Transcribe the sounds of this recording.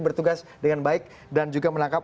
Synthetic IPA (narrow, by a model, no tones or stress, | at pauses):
bərt̪uɡasdəŋanbaɪk̚ | dand͡ʒuɡamənaŋkap